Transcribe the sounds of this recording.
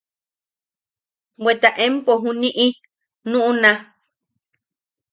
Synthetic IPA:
wet̪aʔẽmpoɦũnĩʔi | nũʔũnã

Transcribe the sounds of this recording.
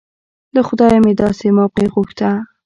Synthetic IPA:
d̪əxʊd̪ɑjamed̪ɑsemawqeɣuxt̪a

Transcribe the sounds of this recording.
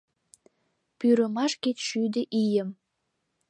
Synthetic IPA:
pyɾəmɑʃket͡ɕʃyd̪ə̆ʔijəm

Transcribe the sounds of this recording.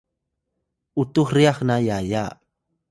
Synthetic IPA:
utuχriaχnajaja

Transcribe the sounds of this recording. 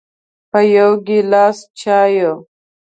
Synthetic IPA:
pəjawɡilɑːst͡ʃɑjo

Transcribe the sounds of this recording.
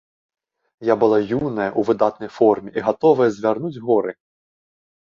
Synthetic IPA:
jabɨlˠajunɐjɐʔuvɨd̪at̪nɐjfɔrmʲɛʔiɣat̪ɔvɐjɐzʲvʲarnud͡zʲɣɔɾɨ

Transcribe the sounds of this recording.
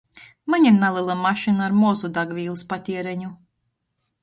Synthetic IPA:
maɲʲiɾnalˠɨlˠamaʃinaːɾmɔzud̪aɡvʲiːlˠɨspat̪ʲiɛɾɛɲu

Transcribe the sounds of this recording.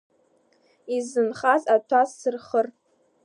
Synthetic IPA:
izɨnχazatʷʰazsɨrχər

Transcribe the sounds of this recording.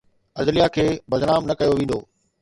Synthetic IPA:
ɐd̪lijakʰeːbɐd̪ɾaːmnɐkɐjoʋĩːnd̪o̰ː

